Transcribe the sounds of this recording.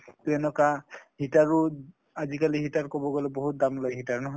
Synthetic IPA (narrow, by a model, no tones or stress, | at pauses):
t̪uɛnɔkaɦitaɹu | azikaliɦitaɹkɔbɔɡɔlɛbɔɦut̪̚damlojɦitaɹnɔɦɔj